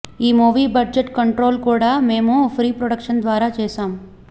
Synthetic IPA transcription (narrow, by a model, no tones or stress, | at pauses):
iːmoːʋibɐɾd͡ʒeʈkəɳʈɾoːlkoːɽameːmõfɾiːpɾoɽəkʃənd̪ʋaːɾat͡ʃeːsaːm